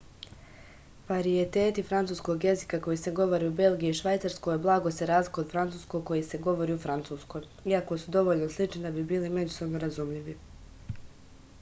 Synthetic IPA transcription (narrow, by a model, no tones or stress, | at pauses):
ʋaɾiet̪e̞ːt̪ifɾant̪suːsko̞ɡje̞zikako̞jiseɡo̞ʋo̞ɾiube̞lˠɡijiiʃʋajt̪saɾskojblˠaːɡo̞seɾaːzlikod̪fɾant̪suːskoko̞jise̞ɡo̞ʋo̞ɾiufɾant̪suːsko̞j | iako̞sud̪o̞ʋo̞ʎnoslˠit͡ʃnid̪abibiːlime̞d͡ʑuso̞bnoɾazumʎiʋi